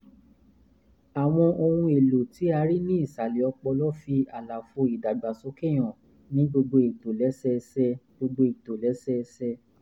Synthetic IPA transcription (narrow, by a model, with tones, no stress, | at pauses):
a˨w̃ɔ̃˧ʔo˧hũ˧e˨lo˨ti˨˦a˧ɾi˦nĩ˦i˦˨sa˨li˨ɔ˧k͡pɔ˧lɔ˦fi˧a˨la˨fo˧˦i˨da˨ɡ͡ba˨so˨˦ke˦˨j̃ɔ̃˨ | nĩ˨˦ɡ͡bo˧ɡ͡bo˧i˨to˨lɛ˨˦sɛ˦˧sɛ˧ɡ͡bo˧ɡ͡bo˧i˨to˨lɛ˨˦sɛ˦˧sɛ˧